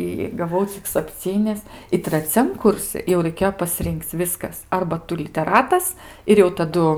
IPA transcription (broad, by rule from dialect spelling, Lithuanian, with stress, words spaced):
ɪ ɡɐˈʋɐʊ t͡sʲɪk sɐpʲˈt͡sʲiːnʲɪs ɪ trɐˈt͡sʲɛm ˈkʊrʲsʲɪ jɛʊ rɐɪˈkʲeːjoː pɐˈsʲrʲɪŋʲkʲt͡s ˈʋʲɪskɐs ˈɐrbɐ ˈtʊ lʲɪtʲɛˈrɑːtɐs ɪr jɛʊ tɐˈdʊ